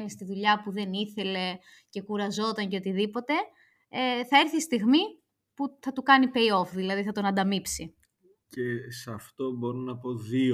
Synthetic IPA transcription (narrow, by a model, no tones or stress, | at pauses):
nist̪iðuʎɐpuðe̞niθe̞le̞ | ce̞kuɾɐzo̞t̪ɐɲceo̞t̪iðipo̞t̪e̞ | eθɐe̞ɾθist̪iɣmi | puθɐt̪ukɐnipe̞io̞fðilɐðiθɐt̪o̞nɐnd̪ɐmipsi | ce̞sɐft̪o̞bo̞ɾonɐpo̞ðio